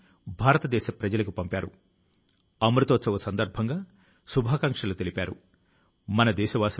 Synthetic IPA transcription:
bʱaːɾɐt̪ɐd̪ɛːʃɐpɾɐd͡ʒɐlɐkupɐmpaːɾṵ | ɐmɾut̪ot̪sɐʋɐsɐnd̪ɐɾbʱɐŋɡaː | subʱaːkɐŋkʂɐlut̪e̞lipʲaːɾṵ | mɐnɐd̪ɛːʃɐʋaːs

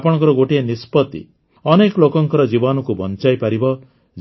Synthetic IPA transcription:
pɔɽ̃ɔkɔɾɔɡoʈienispɔt̪ḭ | ɔnekɔlokɔŋkɔɾɔd͡ʒibɔnɔkubʱɔnt͡ʃajpaɾibɔ

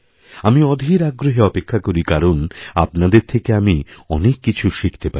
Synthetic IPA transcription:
amiɔd̪ʱiɾaɡɾoɦeɔpekʰːakoɾikaɾonapnad̪eɾt̪ʰekeamiɔnekːit͡ɕʰuʃikʰt̪epa

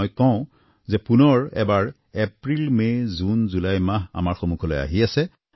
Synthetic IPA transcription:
jkɔʊ̃ | zɛpunɔɹɛ̰baɹ | ɛpɹilmezunzulajmaɦa̰maɹxomukʰɔlɔja̰ɦiasɛ

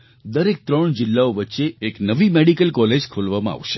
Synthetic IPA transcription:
d̪əɾek̚t̪ɾəɳd͡ʒɪlːaoʋətːʃeːknəʋimeɽikəlkɔled͡ʒkʰulʋamãa̰ʋʃe̥

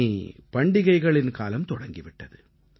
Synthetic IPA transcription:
ipɐɳɖɪɣɐɪɣɐɭɪnkaːlɐmt̪ɔɽɐŋɡɪʋɪʈːɐðɯ

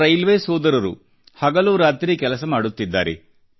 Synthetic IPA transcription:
ɾɐjlʋeːsɔːd̪ɐɾɐɾṵ | hɐɡɐluːɾaːt̪ɾikɛlɐsɐmaːɽut̪ːid̪ːaːɾḛ

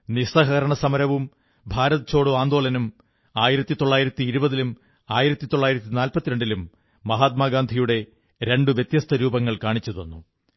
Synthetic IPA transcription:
nisɐɦɐɾɐɳɐsɐmɐɾɐʋum | bʱaːɾɐðɐt͡ɕo̞ːɽuaːnd̪o̞ːɭɐnum | aːjiɾɐt̪ːit̪o̞ɭːaːjiɾɐt̪ːiːɾubɐðilum | aːjiɾɐt̪ːit̪o̞ɭːaːjiɾɐt̪ːinaːlpɐt̪ːiɾe̞ɳɖilumː | ɐɦaːt̪̚maːɡaːnd̪ʱijuɽe̞ | ɾe̞ɳɖuʋjet̪jɐst̪ʰɐɾuːbɐŋːɐɭkaːɳit͡ɕːɐðo̞̰nːu

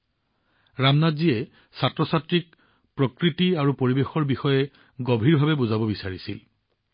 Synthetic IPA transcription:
ɹamnadziɛ | satɹɔsatɹik̚ | pɹokɹitiaɹupoɹibexɔɹbixɔjɛ | ɡobʱiɹbʱabɛbozabɔbisaɹisḭl

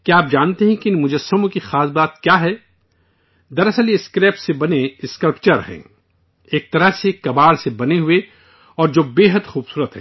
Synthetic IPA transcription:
kiaːp̚d͡ʒaːnt̪eɦɛ̃kiɪnmʊd͡ʒɐsːəmõkixaːsbaːt̪̚kjaːɦɛː | d̪ɐɾɐsəljeɪskɾeːpʈsebɐneɪskɐlpt͡ʃɐɾɦɛ̰̃ | eːk̚t̪ɐɾəɦsekɐbaːɽsebɐneɦʊe | ɔːɾd͡ʒoːbeːɦəd̪xuːbsuːɾət̪ɦɛ̰ː

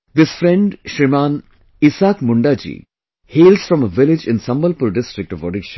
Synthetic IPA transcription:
d̪ɪsfɾɛ̃ɳɖʃɾimãːn | ɪsaːkmʊɳɖaːd͡ʒḭː | heːlsfɾɔ̃məʋɪlɪd͡ʒɪ̃nsɐ̃mbəlpuɾɖɪsʈɾɪk̚ʈɔʋo̰ɖɪkʃə̥̃n

